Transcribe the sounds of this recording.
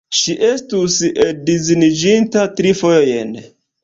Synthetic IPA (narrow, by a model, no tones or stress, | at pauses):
ʃiʔe̞stusedizinid͡ʒintatɾifo̞jojen